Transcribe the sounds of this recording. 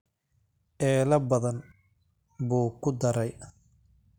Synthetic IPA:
ʔɛːlɐbɐðɐn | buːkʰʊd̪ɐɾɛj

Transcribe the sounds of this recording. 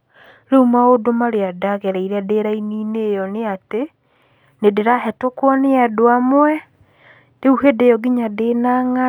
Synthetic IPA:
ɾeumaodomaɾeadaɣɛɾɛiɾeadeɾaininejɔneate | nedeɾahɛtokwɔneadoamowɛ | d̥euhedejɔɡiɲadenaŋa

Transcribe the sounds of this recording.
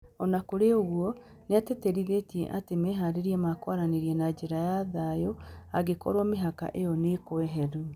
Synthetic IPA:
ɔnakoɾeoɣwɔ | nɛtɛtɛɾiðetiɛ̰ʔatemɛɦaɾeɾiɛmakwaɾaneɾiɛnad͡ʒeɾajaðajoaɡekɔ̰ɾwɔmeɦaka̰ʔejɔnekwɛɦɛɾu

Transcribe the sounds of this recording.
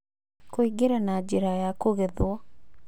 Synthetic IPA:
koiɡeɾanad͡ʑeɾajakoɣeðwɔ

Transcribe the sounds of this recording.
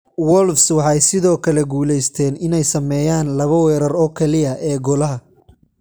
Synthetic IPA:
wɔlfswɑħɑjsɪðɔːkʰɐlɛɡuːlɛjst̪ʰɛːnɪnɛjsɐmɛːjaːnlɐβɐwɛːɾɐrɔːkʰɛlɪɐʔɛːɡɔlɐɦɐ

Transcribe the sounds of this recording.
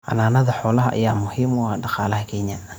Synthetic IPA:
ʔɐ̰naːnɐðɐħɔːlɐɦɐʔa̰jaːmʊhiːmʊɐɖɑqɑːlɐhɐkʰeːɲa

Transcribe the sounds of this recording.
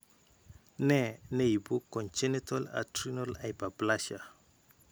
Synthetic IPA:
nɛneibukːɔnt͡ʃɛnitala̰tɾinolajbablaʃa

